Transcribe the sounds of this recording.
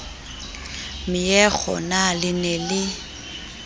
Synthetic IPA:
mɪjɛk͡xʰɔ̰nalɪnɛlɪ

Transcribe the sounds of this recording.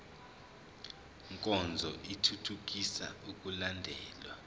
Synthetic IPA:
ŋkʼɔnd͡zʱɔʔitʰutʰuk̬isa̰uk̬ʼulandʱɛːlwa

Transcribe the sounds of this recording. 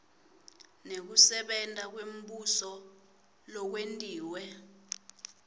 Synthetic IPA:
nek̬usɛɓɛntʼak̬wem̩ɓusɔ | lɔk̬wentʼiːwɛ

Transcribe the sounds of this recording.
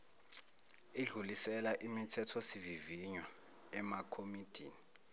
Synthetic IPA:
iɮulisɛlaʔimitʰɛtʰɔsiviviɲwa | ɛmakʰomid̥ʱiːni

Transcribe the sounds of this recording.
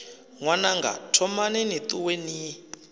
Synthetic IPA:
ŋwanaŋɡa̰tʰɔmanɛnit̪uwɛni

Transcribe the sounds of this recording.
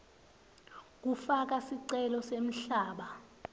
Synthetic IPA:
k̬ufak̬asiǀɛlɔsem̩ɬaːɓa

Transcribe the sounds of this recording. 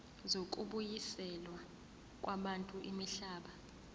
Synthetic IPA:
zok̬ʼuɓujisɛlwa | k̬ʼwaɓantʼuʔimiɬaːɓa

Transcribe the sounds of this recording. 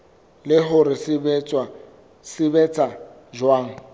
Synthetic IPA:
lɪɦʊɾɪsɪbɛt͡sʼwa | sɪbɛt͡sʼa | d͡ʒwaːŋ̩

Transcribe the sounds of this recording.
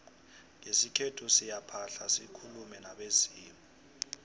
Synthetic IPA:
ŋesikʰɛtʰɔsijapʰaɬasikʰulumɛnaɓesiːmɔ

